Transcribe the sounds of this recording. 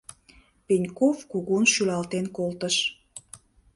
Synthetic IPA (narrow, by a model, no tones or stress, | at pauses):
penʲkofkuɣunʃylɑlt̪enkolt̪əʃ